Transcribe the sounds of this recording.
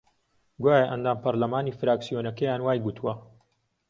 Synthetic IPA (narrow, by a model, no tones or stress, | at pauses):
ɡwaːjɐʔɐnd̪aːmpɐɾlɐmaːniːfɨɾaːksijonɐkɐjaːnwaːjɡut̪ʰuwɐ